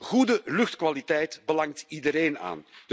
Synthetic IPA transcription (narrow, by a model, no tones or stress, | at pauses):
ɣudəlɵxtkʋalitɛjtbəlɑŋtidəɾeːna̰ːnd̥